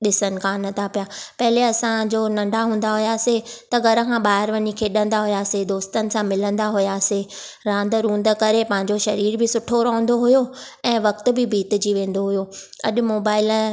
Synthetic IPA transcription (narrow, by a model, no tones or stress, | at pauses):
ɗɪsənɪ̆kʰaːnɐt̪ʰapijapɐɦɪleɐsãd͡ʑoːnɐ̃ɳɖʱaɦũːn̆d̪aɦʊjaset̪ɐɡʱɐɾə̆kʰãɓaːɦɪɾʋɐɲikʰeɗə̃nd̪aɦʊjased̪oːst̪ənɪ̆sãmɪlə̃nd̪aɦʊjase | ɾãːnd̪ɾũːnd̪əkɐɾepɐ̃ɦɪ̃ɲd͡ʑoʃɐɾiːɾbɪsʊʈʰoɾɐːʊ̃n̆d̪oɦʊjo | ɛ̃ːʋɐkt̪ʊ̆bɪbʱiːt̪ɪ̆d͡ʑiʋẽːn̆d̪oɦʊjo | ɐ̰ʄʊ̆moːbaːɪl